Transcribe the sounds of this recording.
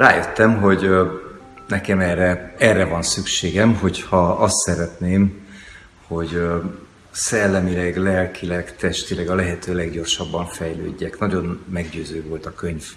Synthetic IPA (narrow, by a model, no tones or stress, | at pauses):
raːjøt̪ːɛmɦo̞ɟ | nɛkɛmɛrːɛɛrːɛvɒnsykʃeːɡɛmɦo̞chɒɒst̪sɛɾɛt̪neːm | ho̞ɟ | sɛlːɛmilɛɡlɛlkʰilɛkt̪ɛʃt̪ilɛɡɒlɛɦɛt̪øːlɛɡɟo̞rʃɒbːɒɱfɛjlø̰ːɟːɛknɒɟo̞nmɛɡɟøːzøːvo̞lt̪ɒkø̞ɲv